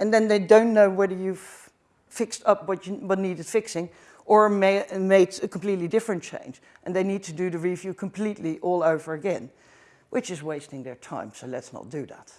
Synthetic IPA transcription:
ɨ̃nðɨ̃nðeɪdõʊ̃nːoʊwɛðə˞jɨv | fɪkstʌp̚wʌt͡ʃɨwʌtⁿniɾɨd̥fɪksɪ̃ŋ | ə˞memeɪksɨkʰm̩pl̥itˡlidɪfɹɨ̃nt͡ʃʰḛ̃ɪ̃nd͡ʒ | ʔɨ̃nðeɪnid̚tʰɨdɨðɨɹivjʉkʰm̩pʰl̥itˡliʔɔlˠoʊvə˞ɨɡɛ̃n | wɨt͡ʃɨzweɪstɪ̃ŋðə˞tʰã̰ɪ̃msoʊlɨtsnə̰t̚d̥ɨðæ̰t̚

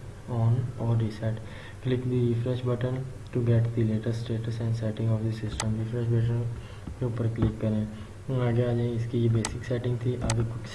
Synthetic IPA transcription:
ɔːnɔːɾːisɛʈ | klɪkd̪iɾɪfɾɛʃbəʈən | ʈuɡɛʈd̪ileːʈəɾsʈeːʈəsɛ̃ɳɖsɛːʈɪ̃ŋɡɔːfd̪isɪsʈə̃mɾifɾɛʃbəʈ̬ən | keupəɾklɪkːɐɾẽː | aːɡeaːd͡ʒaẽɪskijebeːsɪksɛːʈɪ̃ŋɡt̪ʰiʔaːɡekʊt͡ʃ

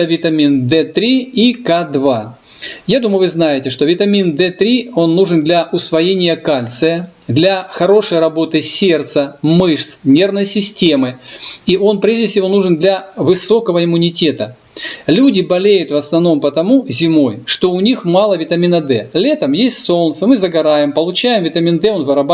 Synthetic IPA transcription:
əvʲɪt̪ɐmʲind̪ɛt̪ɾʲiikad̪va | jad̪uməjʊvɨznajɪtʲɪʂt̪ovʲɪt̪ɐmʲind̪ɛt̪ɾʲio̞nːuʐɨnd̪lʲɐʔʊsvɐjenʲɪjəkalʲt̪sɨjəd̪lʲɐxɐɾo̞ʂəjɾɐbo̞t̪ɨsʲe̞rt̪səmɨʂsnʲe̞rvnəjsʲɪsʲtʲe̞mɨiʔo̞npɾʲeʐdʲɪfsʲɪvo̞nuʐɨnd̪lʲɐvɨso̞kəvəɪmʊnʲɪtʲet̪ə | lʲudʲɪbɐlʲejʊt̪vəsnɐvno̞mpət̪ɐmuzʲɪmo̞jʂt̪o̞ʊnʲixmɑlˠəvʲɪt̪ɐmʲinɐd̪ɛlʲe̞t̪əmjesʲtʲso̞lˠnt̪səmɨzəɡɐɾajɪmpəlˠʊt͡ɕæjɪmvʲɪt̪ɐmʲind̪ɛo̞nvɨɾɐba

